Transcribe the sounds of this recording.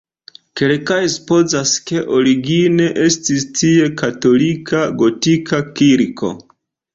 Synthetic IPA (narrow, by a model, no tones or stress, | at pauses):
kelkajspo̞zaske̞ʔo̞ɾiɡine̞ʔe̞stistie̞kato̞likʰaɡo̞tikʰakiɾkʰo̞̰